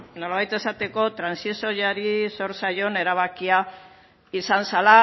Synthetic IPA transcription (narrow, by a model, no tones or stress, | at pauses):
no̞laβajt̪e̞sat̪e̞ko̞t̪ɾansisojaɾiso̞ɾsajo̞ne̞ɾaβ̞akia | isansala